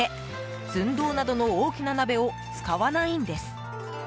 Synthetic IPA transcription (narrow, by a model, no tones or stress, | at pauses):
e̞ | zɨ̃nd̪o̞ːnad̪o̞no̞oːkʲinanabe̞o̞ | t͡sɨ̥kaβanaĩnd̪e̞sɨ̥